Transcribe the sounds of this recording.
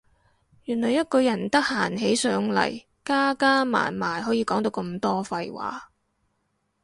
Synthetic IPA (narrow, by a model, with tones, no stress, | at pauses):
jyː˨˩nlɔː˨˩jːɐ˥t̚kɔː˧jɐ˨˩nt̪ɐ˥k̚haː˨˩nɦe˨˥jsœː˨˥ŋlɐ̰˨˩j | kaː˥kaː˥ma̰ː˨˩nmaː˨˩jɦɔː˨˥jiː˧kɔː˨˥ŋt̪o˨˧wkɐ˧mt̪ɔː˥fɐ˧jwa̰ː˨˥